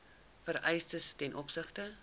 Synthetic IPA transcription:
fəɾɛjstəstɛnʔɔpsəχtə

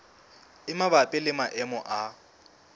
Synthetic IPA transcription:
ɪmaβapʼɪlɪmaʔɛmɔʔa

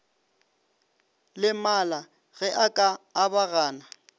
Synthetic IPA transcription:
lɪmala | ɣɛʔakʼaːbaɣaːna

